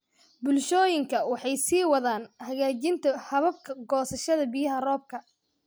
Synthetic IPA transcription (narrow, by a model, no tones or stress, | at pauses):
bʊlʃɔːjɪŋkʰɐwɑħɑjsiːwɑðaːnhɐɣaːt͡ʃɪnt̪ʰɐhɐβɐb̚kʰɐɡɔːsɐʃɐðɐbɪjɐɦɐrɔːb̚kʰɐ